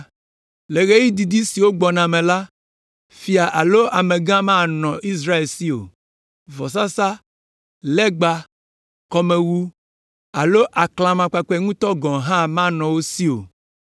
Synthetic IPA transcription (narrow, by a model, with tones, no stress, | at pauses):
le˨ɣe˦ji˦d̪i˨d̪i˦si˨wo˦ɡ͡bɔ˨nã˨mẽ˨la˦ | fi˦a˨ʔa˨lo˦ʔa˨mẽ˨ɡã˦mã˦˨nɔ̃˨i˦s̬ɾa˦e˨lsi˦o̰˨ | vɔ˨s̬a˦sa˦ | lɛ˦ɡ͡ba˦ | kɔ˦mẽ˨wu˦ | a˨lo˦ʔa˨klã˨mã˨k͡pa˨k͡pɛ˦ŋũ˦t̪ɔ˦ɡɔ̃˨ɦã˦mã˦nɔ̃˨wo˦si˦o̰˨